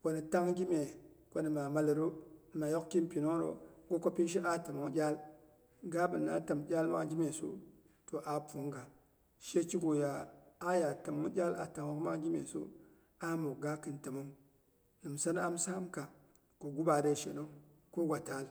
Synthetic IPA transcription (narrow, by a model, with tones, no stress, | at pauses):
ko˨ni˨ta˦ŋɡʲi˦me˨ko˦ni˨ma˨ma˨lɾo˦n˨ma˨jo˦kki˦mpi˨no˦ŋ˦ɾo̰˨ɡo˦ko˦pi˦nʃ̬i˦ʔa˦ta˨mo˦ŋ˦ɡʲa˦l | ɡa˦bɨ˨nːa̰˦ta˨mɡʲa˦lma˦ɡʲi˦me˨sṵ˦ | to˨ʔa˨pu˨˦ŋɡa˨ | ʃe˦t͡ʃi˦ɡo˨ja˨a˦ja˨ta˨m˦ŋ˦ɟʲa˦la̰˨ta˨ŋwo˦kma˦ɡʲi˦mḛ˨so̰˦ | a˦mo˨ɡa˦kɨ˦nta˨mo˦ŋ | nɨ˨msa˦n˦a˦msa˦mka˨ | ko˨ɡu˦ba˨de˦ʃḛ˨no˦ | ko˦ɡʷa˨ta˨˦l